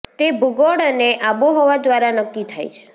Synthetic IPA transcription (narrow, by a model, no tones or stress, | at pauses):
t̪ebuɡoɽəneʔaboɦɔʋad̪ʋaɾanəkːit̪ʰa̰jt͡ʃʰe̥